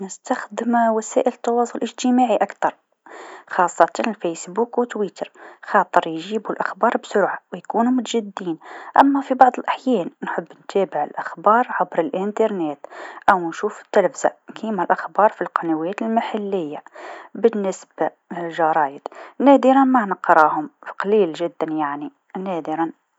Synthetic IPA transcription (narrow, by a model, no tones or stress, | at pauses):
nəst̪axd̪əmwæsæ̰ːʔələt̪ːɑwɑːsˤʊlʔəʒt̪əmaʕiʔakt̪ɑɾˤ | xɑːsˤːɑt̪ɑnəlfesbuːkwət̪wit̪əɾˤxɑːt̪ˤəɾjʒiːbulʔaxbɑːɾˤbsʊɾʕawjkuːnumʊt̪ʒad̪ːiːnʔæ̰mːæfibɑʕd̪ˤəlʔaħjæːnnħəbːnt̪ʰæbəʕəlʔaxbɑːɾˤʕabɾəlʔənt̪ɑɾˤneːt̪ʔæwnʃuːfə̥t̪ːəlfza̰kʰimælʔaxbɑːɾˤfilqɑnæwæːt̪əlmaħalːɪjːabənːəsba | lʒɑɾˤɑːjəd̪næd̪əɾɑnmanəqɾˤɑhʊmfi̥qɑliːlʒɪd̪ːænjaʕni | næd̪əɾɑn